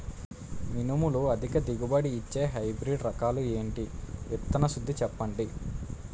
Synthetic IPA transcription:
minumuluɐd̪ʱikɐd̪iɡubɐɽiːt͡ʃːe̞ːɦɐjbɾiɖɾɐkaːlue̞ːɳʈiɛt̪ːɐnɐʃud̪ʱːit͡ʃɛpːɐɳɖi

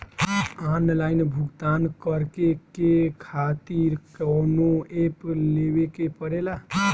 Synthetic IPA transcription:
anlajnbʱuɡt̪ankəɾkekekʰat̪iɾkəwnoeplewekepəɾela

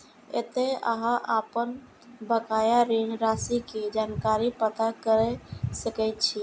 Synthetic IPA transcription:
ḛt̪eə̰ɦãʔapən | bəkaːjaɾinɾasiked͡ʒankaɾipət̪akəɾɛsəkɛt̪t͡ʃʰi

